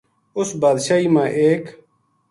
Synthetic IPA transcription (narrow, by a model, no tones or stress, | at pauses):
ʊsbaːd̪ʃaːɦiːmãːʔeːk